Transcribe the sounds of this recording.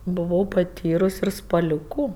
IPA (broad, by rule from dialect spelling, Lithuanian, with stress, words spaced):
bʊˈʋɐʊ pɐˈtʲiːrʊs ɪr spɐˈlʲuːkʊ